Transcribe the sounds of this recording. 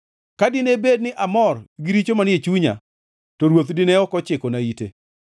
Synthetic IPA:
kadɪnebed̚nɪʔamɔrɡɪɾit͡ʃomanɪet͡ʃuɲa̰ | tɔɾwot̪dɪnɛɔkɔt͡ʃɪkɔnaitḛ

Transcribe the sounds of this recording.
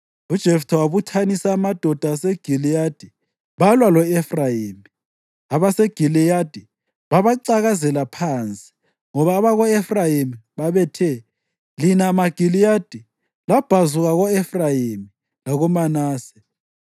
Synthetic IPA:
ud̥ʒ̥ʱɛftʰawaβutʰanisaːmad̥ʱɔd̥ʱaːseɡ̥ʱilijad̥ʱi | βalwalɔɛfrajiːmi | aβaseɡ̥ʱilijad̥ʱi | βaβaǀaɣazɛlapʰant͡sʼi̥ | ŋɔβaːβaɣɔɛfrajimiβaβɛtʰɛ | linamaɡ̥ʱilijad̥ʱi | lab̥ʱazuɣaɣɔɛfrajimi | laɣɔmanaːsɛ̥

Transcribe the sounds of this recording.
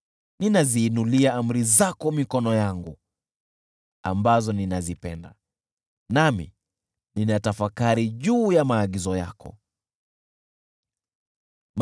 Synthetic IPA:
ninaziːnuliaam̩ɾizakɔmikɔnɔjaŋɡu | a̰mbazɔninazipɛnda̰ | namḭ | ninatafakaɾiʄuːjamaːɠizɔja̰kʰɔ̰ | m

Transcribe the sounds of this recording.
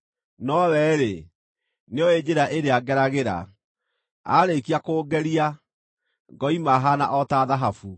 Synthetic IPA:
nɔwɛɾe | neoed͡ʑeɾaʔeɾeaɡɛɾaɣeɾa̰ | a̰ɾekiakoːɡɛɾia | ŋɡɔimaɦana̰ʔɔtaðaɦafu

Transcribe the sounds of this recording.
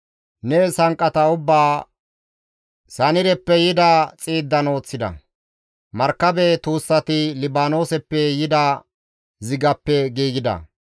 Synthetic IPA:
nɛsɐŋkʼːɐt̪ɐʊbːaː | sɐnɪɾɛpːɛjɪd̪ɐt͡sʼiːd̪ːɐno̞ːt͡sːɪd̪ɐ̰ | mɐɾkːɐbɛt̪uːsːɐt̪ɪlɪbaːno̞ːsɛpːɛjɪd̪ɐ | zɪɡɐpːɛɡiːɡɪd̪ɐ̰

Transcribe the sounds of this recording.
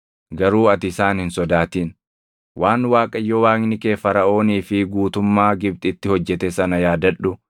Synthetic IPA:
ɡɐɾuːɐt̪ɪsaːnhɪnsɔd̪aːt̪iːn | wʔaːnwaːkʼɐjːɔwaːŋnɪkeːfɐɾɐʔo̞ːniːfɪɡuːt̪ʊmːaːɡɪb̚t̪ʼɪt̪ːɪhɔd͡ʒːɛt̪ɛsɐnɐjaːd̪ɐᶑʊ

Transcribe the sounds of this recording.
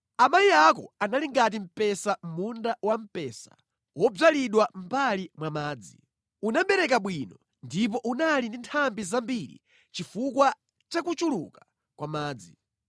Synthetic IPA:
amaiakɔ̰analiŋɡat̬im̩pɛsam̩mundawam̩pɛːsḁ̰ | wɔb͡ʐaliɗwam̩balimwamaːd͡zi | unambɛɾɛk̬aɓwinɔ | ndip̬ɔʔunalindintʰambizambiɾḭ | t͡ʃifukwa | t͡ʃakut͡ʃuluka | kwamaːd͡zi

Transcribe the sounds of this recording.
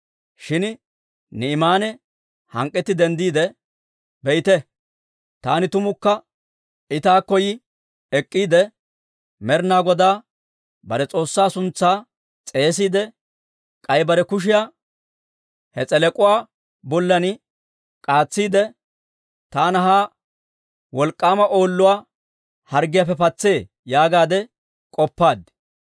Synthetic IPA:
ʃɪn | nɪːmaːnɛ | hɐŋkʼːɛt̪ːɪd̪ɛnd̪iːd̪ɛ | bɛʔɪt̪ɛ | t̪aːnɪt̪ʊmʊkːɐ | ɪt̪aːkːɔjɪ | ɛkʼːiːd̪ɛ | mɛɾnaːɡɔd̪aː | bɐɾɛt͡sʼo̞ːsːaːsʊnt͡sːaː | t͡sʼe̞ːs̬iːd̪ɛ | kʼɐjbɐɾɛkʊʃ̬ɪjaː | hɛt͡sʼɛlɛkʼʊwaː | bɔlːɐnɪ | kʼaːt͡sːiːd̪ɛ | t̪aːnɐɦaː | wɔlkʼːaːmɐʔo̞ːlːʊwaː | hɐɾɡɪjafɛpɐt͡sːe̞ː | jaːɡaːd̪ɛ | kʼɔpːaːd̪

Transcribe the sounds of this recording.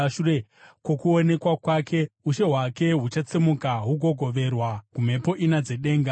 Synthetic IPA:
ʃuekwo̞kuone̞kwakwakʰe̞uʃe̞ɦwake̞ɦut͡ʃat͡semukaɦuɡʱo̞ɡʱo̞ʋe̞rwakum̤e̞po̞ʔinad͡ze̞ɗe̞ːŋɡa

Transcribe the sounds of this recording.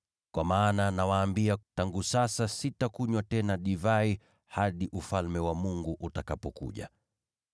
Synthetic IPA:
kwamaːnanawaːmbiataŋɡusasasitakuɲwatɛnaɗivai | haɗiʔufalmɛwamuŋɡuʔutakapɔkṵʄa̰

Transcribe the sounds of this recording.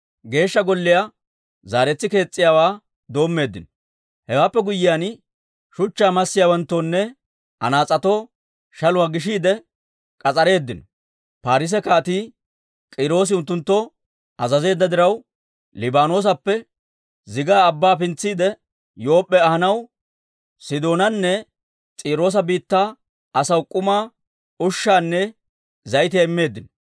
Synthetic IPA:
ɡe̞ːʃːɐɡɔlːɪja | zaːɾɛt͡sːɪke̞ːt͡sʼːɪjaːwaː | d̪o̞ːmːe̞ːd̪ːɪnɔ | hɛwaːpːɛɡʊjːɪjaːn | ʃʊt͡ʃːaːmɐsːɪjaːwɐnt̪ːoːnːɛ | ʔɐ̰naːt͡sʼɐt̪oː | ʃɐlʊwaːɡɪʃ̬iːd̪ɛ | kʼɐt͡sʼɐɾe̞ːd̪ːɪnɔ | paːɾɪs̬ɛkaːt̪iː | kʼɪɾo̞ːs̬ɪʊnt̪ːʊnt̪ːɔ | ʔɐzɐze̞ːd̪ːɐd̪ɪɾɐw | lɪbaːno̞ːs̬ɐpːɛ | zɪɡaːbːaːpɪnt͡sːiːd̪ɛ | jo̞ːpʼːɛɐhɐnɐw | sɪd̪o̞ːnɐnːɛ | t͡sʼiːɾo̞ːs̬ɐbiːt̪ːaː | ɐsɐwkʼʊmaː | ʊʃːaːnːɛ | zɐjɪt̪̬ɪjɐɪmːe̞ːd̪ːɪnɔ

